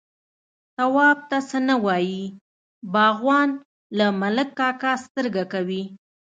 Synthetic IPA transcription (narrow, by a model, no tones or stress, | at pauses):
t̪awɑb̚t̪asənawɑji | bɑɣwɑn | lamaləkːɑkɑst̪əɾɡakawi